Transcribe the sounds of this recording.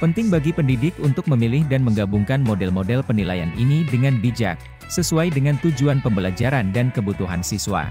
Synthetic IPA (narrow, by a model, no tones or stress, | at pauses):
pənt̪ɪŋbaɡipəndidɪkunt̪ʊk̚məmilɪhdanməŋɡabuŋkanmodɛlmodɛlpənila̰ja̰nʔinidəŋanbid͡ʒa̰k̚ | səsuajdəŋant̪ud͡ʒuanpəmbəlad͡ʒaɾandankəbut̪uɦansiswa̰